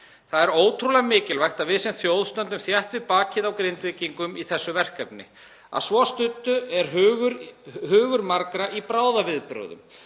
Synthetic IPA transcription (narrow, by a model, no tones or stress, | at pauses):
θaðɛɾoːwt̪ʰɾulamɪːcɪlvajxt̪avɪðsɛnt̪θjowðst̪œnt̪ːʏmθjaht̪vɪðpaːcɪðawkɾejnt̪vɪːciŋkʏmiθɛsːʏvɛr̥kɛpnɪ̰ | a̰ðsvɔst̪ʏt̪ːʏɛɾ̥ɦɣʏɾhʏːɣʏɾmaɾkɾaʔipɾaːwðavɪðpɾʏ̰wðʏ̰m